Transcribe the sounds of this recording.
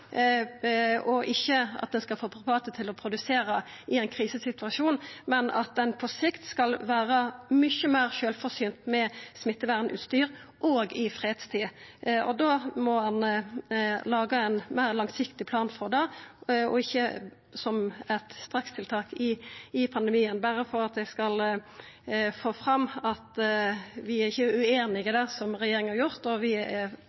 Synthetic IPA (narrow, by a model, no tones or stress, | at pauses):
ɔʔɪçːəɑ̰t̪̚d̪ɛnskɑlfoːpʰʁɪbɑːt̪ət̪ʰɪlɔpʰʁʊd̪ʉseːɾəɪɛɪnkʰʁiːsəsɪt̪ʉɑʃuːnmɛnɑ̰t̪̚d̪ɛnpʰɔsɪkt̪skɑlʋæːʁəmʏçːəmæːʁʃøːlfɔʁsyːnt̪mɛsmɪt̪ːəʋæʁnʔʉ̰ːt̪st̪yːʁ | ʔoːɡɪfɾeːd̪st̪ʰiːɔ̰d̪oːmɔhɑn | lɑːɡəɛnmæɪʁlɑŋsɪkt̪ɪpʰlɑːnfɔʁd̪ɛɔ̰ɪçːə | sɔmɛt̪st̪ɾɑkst̪ʰɪlt̪ʰɑːkɪɪpʰɑnd̪əmiːənbæʁəfɔɾɑt̪̚d̪ɛskɑl | foːfʁɑmːɑt̪ | ʋɪæɾɪçːəʉeːnɪɡəd̪ɛsɔmʁɛjeːɾɪŋəhɑʁjʊʁt̪ɔʋɪæ